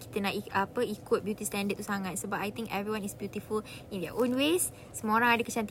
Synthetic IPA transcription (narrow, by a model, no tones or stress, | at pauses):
ki̥t̪ənaʔiapəikʊt̚bjut̪istɛ̃ndət̪̚t̪usaŋãt̪̚sobapajt̪ĩŋkɛvɾiwãnisbjut̪iful | ĩndəʔõnwes | səm̃oɾãŋadəkət͡ʃãnt̪